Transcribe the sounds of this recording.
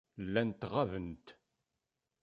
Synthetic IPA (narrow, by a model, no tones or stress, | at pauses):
lːænt̪ʁavənt̪